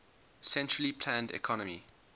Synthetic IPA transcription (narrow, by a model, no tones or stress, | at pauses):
sɛ̃nt͡ʃɹəlipʰlãndɛ̰kʰɔnəmḭ